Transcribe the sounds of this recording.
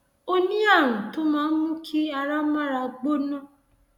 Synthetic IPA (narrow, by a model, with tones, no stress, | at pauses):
o˦nĩ˦a˦˨wũ˨to˨˦mãː˨˦n̩˦mũ˦kʰi˦a˧ɾa˦mã˦ɾa˧ɡ͡bo˦nã˦